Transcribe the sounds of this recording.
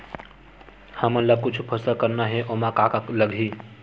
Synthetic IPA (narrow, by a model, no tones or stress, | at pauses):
həməlakʊt͡ʃʰpʰəsəkəɾnaɦeʔomãkakakləɡʱi